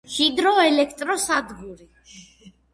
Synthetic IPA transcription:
ʃid̪ɾɔɛlɛkʰt̪ʼɾɔsad̪ɡuɾi

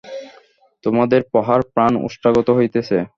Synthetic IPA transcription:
t̪omad̪eɾpɔɦaɾpɾano̰ʃʈaɡot̪oɦojt̪et͡ɕʰe

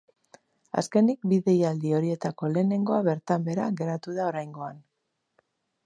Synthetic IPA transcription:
a̰ske̞nik̚biðe̞jald̪io̞ɾie̞t̪ako̞le̞ːne̞ŋɡo̞aβe̞ɾt̪ambe̞ɾaɣe̞ɾat̪uð̞ao̞ɾajŋɡo̞an

